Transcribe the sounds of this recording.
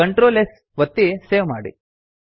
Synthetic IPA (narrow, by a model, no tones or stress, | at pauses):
ɐɳʈɾoːles | ʋɐt̪ːiseːʋma̰ːɽḭ